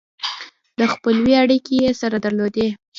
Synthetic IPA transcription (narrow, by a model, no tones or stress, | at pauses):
d̪əxpəlwiaɽikejesaɾad̪aɾlod̪e